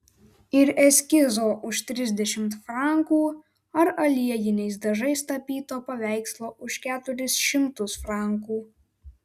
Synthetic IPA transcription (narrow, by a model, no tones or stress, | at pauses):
ɪɾɛsʲkʲɪzoːʔʊʃt̪ʲɾʲɪzʲd̪ʲɛʃʲɪmt̪fɾɑˑŋkuː | ɐɾɐlʲiɛjɪnʲɛɪsd̪ɐʒɐɪst̪ɐpʲiːt̪oːpɐʋʲæˑɪkslˠoːʔʊʃkʲæːt̪ʊɾʲɪsʃʲɪmt̪ʊsfɾɑˑŋkuː